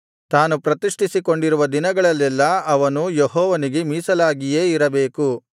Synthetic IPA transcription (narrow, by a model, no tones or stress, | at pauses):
t̪aːnupɾɐt̪iʂʈʰisiko̞ɳɖiɾuʋɐd̪inɐɡɐɭɐlːɛlːɐɐʋɐnujeɦɔːʋɐniɡe̞miːsɐlaːɡije̞ːiɾɐbe̞ːku